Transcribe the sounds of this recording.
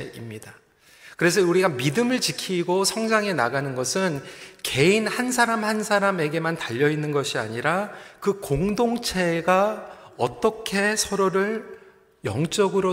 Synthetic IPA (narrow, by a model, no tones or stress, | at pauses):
imɲida | kɯɾe̞s̬ʰʌuɾiɡamidɯmɯɭt͡ɕikʰiɡosʰʌŋd͡ʑaŋe̞naɡanɯnɡʌsʰɯnke̞inhansʰaɾamhansʰaɾame̞ɡe̞mantaʎːʌinːɯnɡʌɕʰia̰ɲiɾakɯkoŋdoŋt͡ɕʰe̞ɡaʌt͈ʌkʰe̞sʰʌɾoɾɯɭ | jʌ̰ŋt͡ɕ͈ʌɡɯɾo